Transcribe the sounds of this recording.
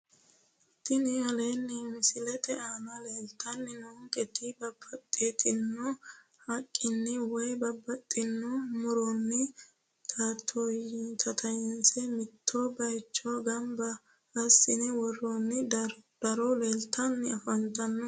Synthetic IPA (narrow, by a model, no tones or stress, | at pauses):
t̪ɪnɪhɐleːnːɪmɪsɪlɛt̪ɛʔaːnɐleːlt̪ːɐnːɪnɔŋkʼɛt̪ɪbɐbːɐt̪ʼːet̪ɪnːɔ | hɐkʼːɪnːɪwɔjbɐbːɐt̪ʼːɪnːɔmʊɾɔnːɪ | t̪ʰaːt̪ʰːojɪnt̪ʰɐt̪ʰɐjɛnsɛmɪt̪ʰːobɐjt͡ʃːɔɡɐmbɐ | ɐsːɪnɛwɔrːɔnːɪd̪̥ɐɾɔleːlt̪ʰːɐnːɪɐfɐnt̪ɐnːɔ